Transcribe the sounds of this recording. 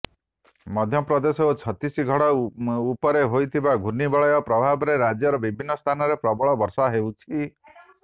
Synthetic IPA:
mɔd̪ʱjɔpɾɔd̪esɔkut͡ʃʰɔt̪isiɡʱɔɽɔupɔɾeɦojt̪ʰibaɡʱunibɔɭɔjɔpɾɔbʱabɔɾeɾad͡ʒjɔɾɔbibʱinːɔst̪ʰanɔɾepɾɔbɔɭɔbɔɾsaɦeut͡ʃʰi

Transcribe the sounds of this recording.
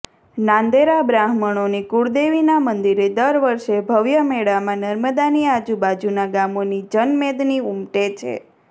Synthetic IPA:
nãnd̪eɾabɾaɦməɳonikuɽd̪eʋinamənd̪iɾed̪əɾʋəɾʃebʱəʋjəmeɽamãnəɾməd̪aniad͡ʒubad͡ʒunaɡamonid͡ʒənmed̪niumʈet͡ʃʰḛ

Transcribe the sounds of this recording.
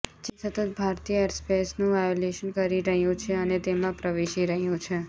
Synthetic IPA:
d͡ʒesət̪ət̪̚bʱaɾt̪ijəeɾspesnũʋajoleʃənkəɾiɾəɦjũt͡ʃʰeənet̪emãpɾəʋeʃiɾəɦjũt͡ʃʰe

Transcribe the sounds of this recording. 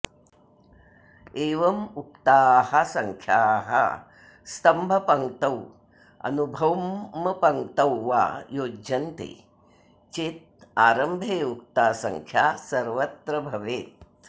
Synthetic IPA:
eːʋɐmuk̚t̪aːhɐsɐŋkʰjaːɦɐ̰ | st̪ɐmbʱɐpɐŋt̪ɐw | ɐ̰nubʱɐwːɐpɐŋt̪ɐwːa̰joːɐnt̪ḛ | t͡ʃit̪̚ | aːɾɐmbʱeːuk̚t̪aːsɐ̰ŋkʰjaːsɐɾʋɐt̪ɾɐbʱɐʋeːt̪̚

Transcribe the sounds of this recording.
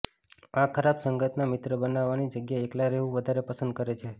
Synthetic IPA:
akʰəɾabsəŋɡət̪namɪt̪ɾəbənaʋːanid͡ʒəɡjaeklaɾeʋũʋəd̪ʱaɾepəsə̃nd̪̚kəɾet͡ʃʰe

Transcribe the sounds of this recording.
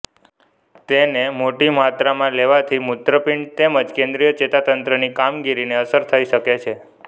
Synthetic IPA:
t̪enemoʈimat̪ɾamãleʋat̪ʰimut̪ɾəpiɳt̪eməd͡ʒkẽnd̪ɾijət͡ʃet̪at̪ənt̪ɾənikamɡiɾineəsəɾt̪ʰəiʃəket͡ʃʰe

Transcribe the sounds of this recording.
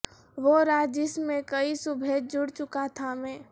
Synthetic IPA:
ʋoɾaːd͡ʒɪsmẽkəisʊbʱeːd͡ʒʊɽt͡ʃʊkat̪ʰamẽː

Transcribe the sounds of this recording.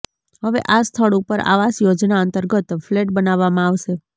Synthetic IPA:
ɦəʋḛʔast̪ʰəɭupəɾa̰ʋasjod͡ʒnaənt̪əɾɡət̪fleʈ̚bənaʋːamãaʋʃe

